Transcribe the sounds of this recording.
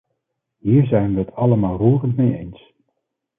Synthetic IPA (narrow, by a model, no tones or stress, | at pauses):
ɦiːɹzɛjnʋəɦətʰɑləmaːlˠruːrəntmejḛjns